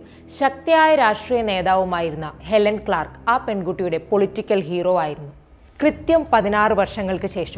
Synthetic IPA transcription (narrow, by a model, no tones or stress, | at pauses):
ɕɐk̚t̪ɐjaːjɐɾaːʂʈriːjɐne̞ːðaːʋumaːjiɾunːɐhe̞lɐnkɭaːrkaːpe̞ɳɡuʈːijuɽe̞po̞ɭitːikʲːɐlɦiːro̞ːaːjiɾunːu | krɨt̪jɐmpɐðinaːrɨʋɐrʂɐŋːɐɭkɨɕe̞ːʂɐ